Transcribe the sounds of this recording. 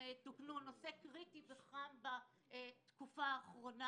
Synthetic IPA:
etiknuno̞sekʁitiveχamba | t̪kufaːχʁo̞na

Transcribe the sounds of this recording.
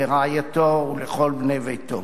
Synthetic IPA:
eʁaajat̪ouleχolbnevejt̪o̰

